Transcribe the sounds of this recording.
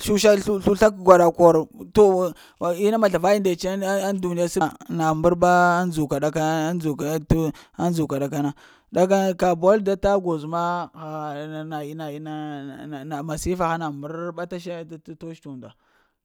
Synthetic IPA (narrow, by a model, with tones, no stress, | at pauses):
ʃu˦ʃa˦ɬu˦ɬu˦ɬa˦kɡʷa˨ɗa˨ko˨ɾto˦˨ | i˦na˦ma˨ɬa˨va˦ji˦nda˨t͡ʃndu˨ni˦a˦sna˨mbu˦ɾba˦nd͡zu˨ka˨da˨ka˦d͡zu˨ka˨˦ta˦nd͡zu˨ka˨ɗa˨ka˦na˦ | da˦ka˦ka˨bo˦lda˦ta˦ɡo˨zma˦xa˨na˨i˦na˨i˦na˦˨na˨ma˨si˦fa˨xa˦na˨mbu˦ɾba˦ta˦ʃa˦to˦ʃtu˨nda˨